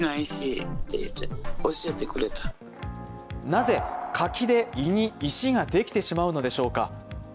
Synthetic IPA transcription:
naiɕit̪ḛḭt̪ːeoɕiet̪e̞kɯ̟ɾe̞t̪ḁ | naze̞kʰakʲid̪e̞iɲ̟iːɕiɡad̪e̞kʲi̥t̪e̞ɕimaɯ̟no̞d̪e̞ɕo̞ːka̰

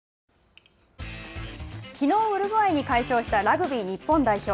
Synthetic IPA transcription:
kʲino̞ːɯ̟ɾɯ̟ɡɯ̟aiɲ̟ikaiɕo̞ːɕi̥t̪aɾaɡɯ̟bʲiɲ̟ipːõ̞nd̪aiço̞ː

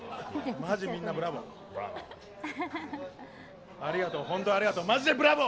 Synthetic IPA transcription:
maʑimʲĩnːabɯ̟ɾabo̰ | aɾʲiɡat̪oɦõnt̪oaɾʲiɡat̪omaʑid̪ebɯ̟ɾabo

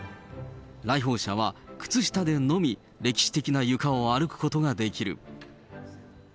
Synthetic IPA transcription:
ɾaiɦo̞ːɕaβ̞akɯ̥t͡sɨɕi̥t̪ad̪e̞no̞mʲi | ɾe̞kʲi̥ɕi̥t̪e̞kʲinajɯ̟kaoaɾɯ̟kɯ̥ko̞t̪o̞ɡad̪e̞kʲiɾɯ̟̰

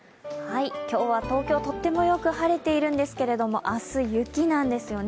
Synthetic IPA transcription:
haikʲo̞ːβat̪o̞ːkʲo̞ːt̪o̞t̪ːe̞mo̞jo̞kɯ̟haɾe̞t̪e̞iɾɯ̟̃nd̪e̞sɨ̥ke̞ɾe̞d̪o̞mo̞ʔasɨjɯ̟kʲinãnd̪e̞sɨjo̞n

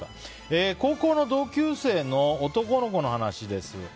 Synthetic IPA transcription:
eːko̞ːko̞ːno̞d̪o̞ːkʲɨːse̞ːno̞ːt̪o̞ko̞no̞ko̞no̞hanaɕid̪e̞sɨ̰

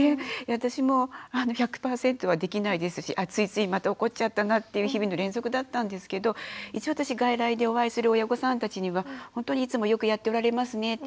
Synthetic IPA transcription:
eβat̪aɕimo̞ano̞çakɯ̟̥paːsẽ̞nt̪o̞β̞ad̪e̞kʲinaid̪e̞sɨɕiʔat͡sɨit͡sɨimat̪ao̞ko̞t͡ɕat̪ːanat̪ːe̞jɯ̟ːçibʲino̞ɾẽ̞nzo̞kɯ̟d̪at̪ːãnd̪e̞sɨ̥ke̞d̪o̞it͡ɕiβat̪aɕiɡaiɾaid̪e̞o̞βaisɨɾɯ̟o̞jaɡo̞sãnt̪at͡ɕiɲ̟iβahõ̞nt̪o̞ɲ̟iit͡sɨmo̞jo̞kɯ̟jat̪ːe̞o̞ɾaɾe̞masɨne̞

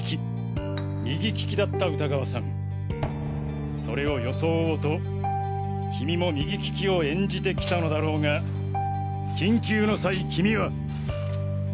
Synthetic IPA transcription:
i | mʲiɡʲikʲi̥kʲid̪at̪ːaɯt̪aɡaβasã̰ŋ | so̞ɾe̞o̞jo̞so̞ːoːt̪o̞ | kʲimʲimo̞mʲiɡʲikʲi̥kʲioẽ̞ɲd͡ʑit̪e̞kʲi̥t̪ano̞d̪aɾo̞ːŋa | kʲĩŋkʲɨːno̞saikʲimʲiβa

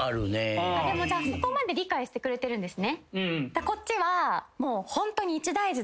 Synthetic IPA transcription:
aɾɯned̪e̞mo̞d͡ʑaːsok̪omad̪e̞ɾʲikaiɕɨ̥t̪e̞kɯɾe̞t̪e̞ɾɯ̟̃nd̪e̞sɨnẽ̞d̪̥ako̞tt͡ɕːiβamo̞ːhõ̞nt̪o̞ɲ̟iːt͡ɕid̪aiʑi

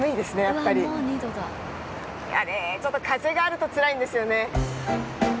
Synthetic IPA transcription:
mɯ̟id̪e̞sɨne̞jaaapːaɾʲioɲʲiːd̪od̪a | ja̰net͡ɕot̪ːo̞kʰaze̞ɡaːɾɯ̟t̪o̞t͡sɨɾaĩnd̪e̞sɨjo̞ne̞

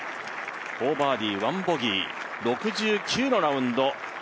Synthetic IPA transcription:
oːbaːd̪ʲiːβãmboɡʲḭː | ɾo̞kɯ̟ʑɨːkʲɨːno̞ɾaɯ̟̃nd̪o̞

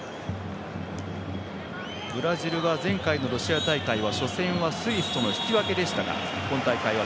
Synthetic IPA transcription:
bɯ̟ɾaʑiɾɯ̟βazẽ̞ŋkaino̞ɾo̞ɕiat̪aikaiβ̞aɕo̞sẽ̞ɰ̃βasɨisɯ̥t̪o̞no̞çi̥kʲiβake̞d̪e̞ɕi̥t̪aɡa̰kõ̞nt̪aikaiβ̞a

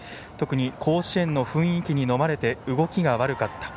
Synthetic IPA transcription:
t̪o̞kɯ̟ɲ̟ikʰo̞ːɕiẽ̞nːo̞ɸɯ̟̃ɰ̃ikʲiɲ̟ino̞maɾe̞t̪e̞ɯ̟ɡo̞kʲiɡaβaɾɯ̟kat̪ːḁ

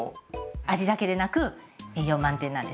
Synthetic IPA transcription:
aʑid̪ake̞d̪e̞nakɯ̟eːjo̞ːmãnt̪ẽnːãnd̪es

